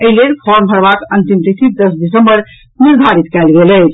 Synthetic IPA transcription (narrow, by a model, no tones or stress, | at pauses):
əɦlelpʰɔɾmbʱəɾbakənt̪imt̪it̪ʰit̪̚d̪əsdisəmbəɾ | niɾd̪ʱaɾit̪kɛlɡelət͡ʃʰ